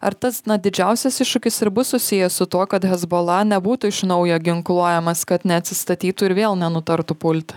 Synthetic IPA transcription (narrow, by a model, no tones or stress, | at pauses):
ɐ̰ɾt̪ɐsnɐd̪ʲɪd͡ʒʲɛʊsʲɛsɪʃʃʊkʲɪsɪɾbʊssʊsʲɪjɛsʊt̪uɔkɐt̪ɦʲɛzboːlˠɐnʲɛbuːt̪ʊɪʃnɒʊjoːɡʲɪŋklˠuɔjɛmɐskɐt̪nʲɛɐt̪ʲsʲɪst̪ɐt̪ʲiːt̪uːɪɾʋʲeːlˠnʲɛnʊt̪ɐɾt̪uːpʊlʲt̪ʲ